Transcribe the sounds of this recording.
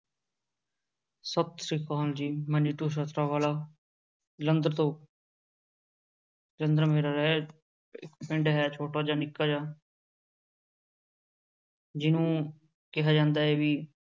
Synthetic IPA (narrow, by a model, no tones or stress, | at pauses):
səb̚t̪ɾiːkaːld͡ʒiːməniːʈuːs̬ət̪ɾaːʋaːlaː | lə̃nd̪əɾt̪õː | lənd̪ɾəmeːɾaːlɛː | ɪ̰kpɪɳɖɦɛːt͡ʃʰoːʈaːd͡ʒaːnɪkːaːd͡ʒaː | d͡ʒɪnũː | kɪɦaːd͡ʒãːnd̪aːɛːʋiː